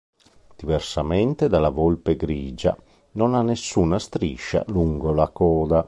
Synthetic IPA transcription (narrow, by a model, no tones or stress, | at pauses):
d̪̥ivɛrsamɛnt̪ed̪alavolpeɡɾiːd͡ʒa̰ | nonanːesːuːnast̪ɾiʃːa̰luŋɡolakɔːd̪a